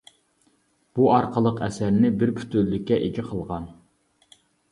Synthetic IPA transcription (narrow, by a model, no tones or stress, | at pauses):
b̥uɑɾqʰəlˠəqɛsæɾnɪbɪɾpʰy̥t̪ølːykʲːɛʔeɡʲiqʰəlˠʁɑn